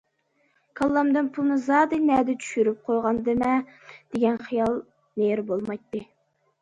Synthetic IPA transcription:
kʰɑlˠːɑmd̪ɨnpʰulˠnɨzɑːd̪ɨnɛd̪ɪt͡ʃʰy̥ʃyɾyp̚qʰojʁɑnd̪ɨmɛd̪̥eɡʲɛnχijɑlˠ | neɾbolˠmɑjt̪ːɨ

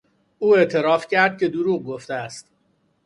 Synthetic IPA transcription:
ʔuːe̞ʔt̪ʰe̞ɾɒːfcʰæɾd̪̚cʲʰe̞d̪uɾuːʁɡoft̪eæst̪

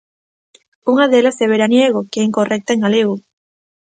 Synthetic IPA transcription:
uŋaðelaseβeɾanjeɣ̞okeeiŋkorek̚t̪aeŋɡaleɣu

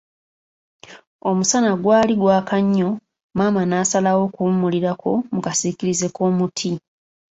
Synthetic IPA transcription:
o̞musanaɡwaːliɡwaːkaɲːo̞ | maːmanaːsalawo̞kuumuliɾakʰo̞mukasiːkiɾize̞ko̞ːmutʰi

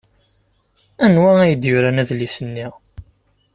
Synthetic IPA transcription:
ænwææjəd̪jʊɾænæðlisənːi

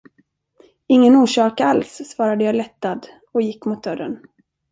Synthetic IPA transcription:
ɪŋːənuːʂɑːkalsːvɑːɾad̪əjɑːlɛt̪ːad̪ | ɔjɪkːmʊt̪̚d̪œɾːə̰n

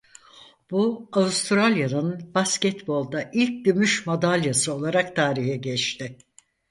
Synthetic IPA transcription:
buavust̪ʰɾalʲjanɯnbascɛt̪bo̞lˠd̪aʔilʲc̚ɟømyʃmad̪alʲjasɯo̞lˠaɾak̚t̪ʰaːɾihɛɟɛt͡ʃt̪ʰɪ

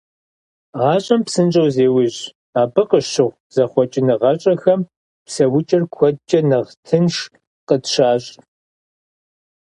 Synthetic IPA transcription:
ʁɑːɕʼɐmpsɨnt͡ʃʼɐwzeːwɪʑ | aːbɨqəɕɨʁʷ | z̥ɐχʷɔt͡ʃʼɪnɨʁɐɕʼɐxɐm | psɐwʊt͡ʃʼɐrkʷʰɔd̚t͡ʃʼɐnɨʁtʰɨnʂ | qətʃaːɕʼ

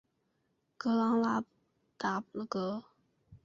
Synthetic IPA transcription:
ɡ̥əlaŋlap̚ | t̪ap̚ləɡ̥ɔ

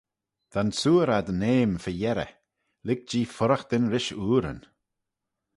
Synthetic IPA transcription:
d̪̥ansuːɾad̪əneːmfəjɛɾə̰ | lɪɡ̚d͡ʒiːfʊɾəxd̪̥ɪnɾɪʃuːɾə̰n

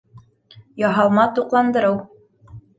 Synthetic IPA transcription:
jɑɦɑlˠmɑt̪uqlˠɑnd̪ɤ̆ɾɤw

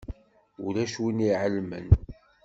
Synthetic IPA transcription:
ulæʃwiniʕəlmə̰n

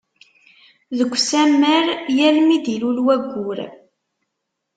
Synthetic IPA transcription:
ðəɡʷsæmːəɾjælmid̪ilulwæɡʷːʊɾ

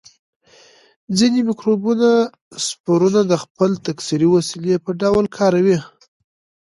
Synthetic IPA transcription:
d͡zinemɪkɾobuna | spoɾunad̪əxpəlt̪aksiɾiwasilepəɖawlkʰɑɾawi

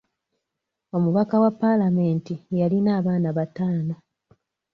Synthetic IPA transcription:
o̞muβakawapːalame̞ːntijalinaːβaːnaβataːno

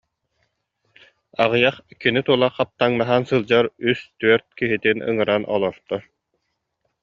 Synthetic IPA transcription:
aʁɯjaχkinit̪uɔlˠaχqːap̚t̪aŋnaɦansɯlˠd͡ʑaɾyst̪yœɾt̪̚kiɦit̪inɯ̰ŋɯɾanʔɔ̰lˠɔɾt̪ɔ

